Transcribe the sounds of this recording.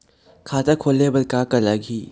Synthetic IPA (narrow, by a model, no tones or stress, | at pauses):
kʰaːt̪akʰoːlebəlkaːkəlaɡiː